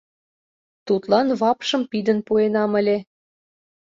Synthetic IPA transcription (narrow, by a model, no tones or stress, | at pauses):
t̪ut̪lɑnβɑpʃɤ̆mpid̪ənpuenɑməlʲe